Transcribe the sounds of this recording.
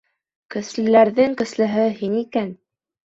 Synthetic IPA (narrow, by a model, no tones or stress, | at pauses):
kɵ̆slɘ̆læɾðɘŋkɵ̆slɘ̆ɦɘɦinikæn